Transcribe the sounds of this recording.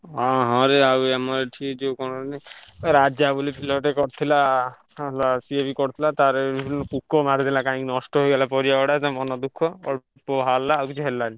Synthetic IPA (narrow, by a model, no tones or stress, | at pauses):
ɦãɦɔ̃ɾeawɛmɔɾeʈʰikd͡ʒewkɔñɔneaɾad͡ʒabulipʰilɔʈekɔɾt̪ʰila | alasiebikɔɾt̪ʰilat̪aɾebibʱinɔkukːɔmaɾt̪ʰilakãĩkinɔsʈɔɦojɡalapɔɾijaɔɽasamɔnɔd̪ukʰːɔɔ̰ | pɔɦalːaːwkit͡ʃʰiɦelːali